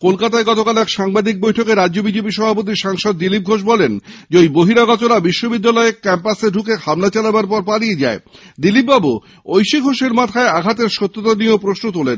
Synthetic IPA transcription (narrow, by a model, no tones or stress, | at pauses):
kolkat̪aeɡɔt̪okalɛkʃaŋbad̪ik̚bojʈʰokeɾadʑobid͡ʑep̬iʃɔbʱap̬ot̪̬iʃaŋʃod̪̚ːilip̚ɡʱoʃ̬bɔlend͡ʑojboɦiɾaɡɔt͡ɕoɾabiʃːobid̪ːalɔeekɛmpaseɖʱukehamnat͡ɕalabaɾpɔɾpaɽied͡ʑaed̪ilipːbabu | ojʃiɡʱoʃeɾmat̪ʰaeaɡʱat̪eɾʃot̪ːot̪aniopɾosnot̪̬ulen